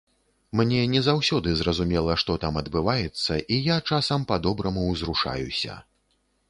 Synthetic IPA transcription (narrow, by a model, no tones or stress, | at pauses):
mnʲɛnʲɛzawsʲɔd̪ɨzrɐzumʲɛlˠɐʂt̪ɔt̪amɐd̪bɨvajɛt̪sːɐʔijat͡ʂasɐmpad̪ɔbɾɐmuwzɾuʂa̰jṵsʲɐ̰